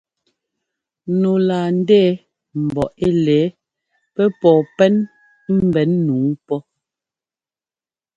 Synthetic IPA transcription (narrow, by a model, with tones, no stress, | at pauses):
no˨la˨n̩˦dɛː˦ | m̩˨bɔ˨ʔe˦lɛː˨˦ | pɛ˦pɔː˨pɛ˦n | m̩˦bɛ˨˦nːuː˨˦pɔ˦